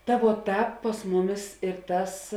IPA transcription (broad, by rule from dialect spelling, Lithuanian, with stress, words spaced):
tɐ ʋuɔ ˈtɑːp pɐs ˈmʊˌmʲɪs ɪr ˈtɐs